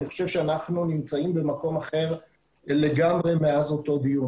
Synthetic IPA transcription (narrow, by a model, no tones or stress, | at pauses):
niχo̞ʃevʃeanaχnunimt͡saimbe̞mako̞maχe̞ʁ | le̞ɡamʁe̞meazo̞to̞d̪ijun